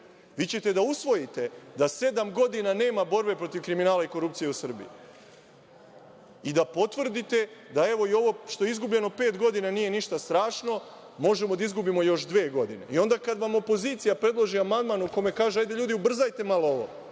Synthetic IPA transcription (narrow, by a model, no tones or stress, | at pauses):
ʋit͡ɕe̞t̪e̞d̪ausʋo̞jit̪e̞d̪ase̞d̪amɡo̞d̪inane̞ːmabo̞ɾbe̞pɾo̞t̪iʋkɾiminaːlaiko̞ɾup̚t̪sije̞usr̩bḭji | id̪apo̞t̪ʋr̩d̪it̪e̞d̪ae̞ʋo̞io̞ʋo̞ʃt̪o̞jeizɡubʎe̞no̞pe̞ːt̪ɡo̞d̪inanije̞niʃt̪ast̪ɾaːʃno̞ | mo̞ʒe̞mo̞d̪aizɡubimo̞jo̞ʃd̪ʋeːɡo̞d̪ine̞̰io̞nd̪akad̪ʋamo̞po̞ziːt̪sijapɾe̞d̪lˠo̞ʒiamand̪manuko̞me̞kaːʒeajd̪eʎuːd̪iubr̩zajt̪e̞malooʋo̞̰